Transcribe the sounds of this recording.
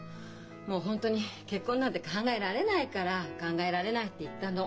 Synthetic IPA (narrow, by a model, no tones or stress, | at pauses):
mo̞ːɦõ̞nt̪o̞ɲ̟ike̞kːõ̞ːnːat̪ːekʰãŋɡae̞ɾaɾe̞naikaɾakãŋɡae̞ɾaɾe̞nait̪ːe̞it̪ːãno